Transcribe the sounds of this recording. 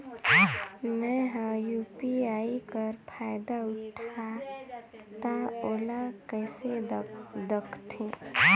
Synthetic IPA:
nɛɦə̃jupiaikəɾpʰaɪd̪aʊʈʰa | t̪aolakəɪsed̪əkʰt̪ʰĩ

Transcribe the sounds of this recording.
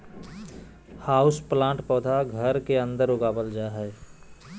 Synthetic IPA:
haːʊsplãːɳʈpɔːd̪ʱaɡʱəɾkeə̃nd̪əɾʊɡaːbəld͡ʒaːɦɛː

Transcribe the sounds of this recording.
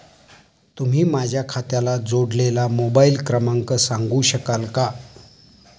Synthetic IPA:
t̪um̤iːmad͡ʑʱjakʰat̪jalad͡zoɽlelamobailkɾəmaŋkəsaŋɡuːɕəkalka

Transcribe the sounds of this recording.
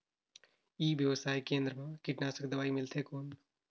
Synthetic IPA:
iːʋjəʋəsaːjkẽːnd̪ɾəmãkɪʈnaːsəkd̪ɐʋaːimɪlt̪ʰekoːn

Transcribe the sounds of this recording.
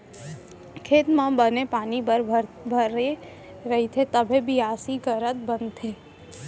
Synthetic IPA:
kʰeːt̪mãbənepaːniəɾbʱəɾe | ɾɐɦit̪ʰet̪əbʱebʱiaːsikəɾət̪̚bənt̪ʰeː

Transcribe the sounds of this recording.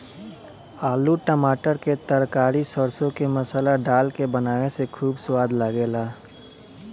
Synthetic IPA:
aːluʈəmaːʈəɾket̪əɾkaːɾisəɾsõkemɐsəlaɖaːlkebɐnaːʋesekʰuːbswaːd̪laɡeːlaː

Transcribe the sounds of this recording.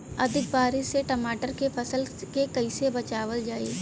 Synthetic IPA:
ɐd̪ʱɪk̚baːɾɪseʈɐmaːʈəɾkepʰɐsəlkekɐisebɐt͡ʃaːʋəld͡ʒaːiː

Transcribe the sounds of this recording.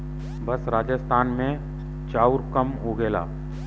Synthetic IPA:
bɐsɾaːd͡ʒəst̪ʰaːnmẽ | t͡ʃaːuɾkəmɦoːɡeːla̰ː

